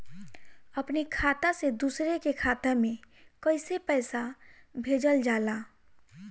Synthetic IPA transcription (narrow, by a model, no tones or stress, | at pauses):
əpnekʰaːt̪ased̪uːsɾekekʰaːt̪amẽ | kəɪsepɛːsabʱeːd͡ʒəld͡ʒaːlaː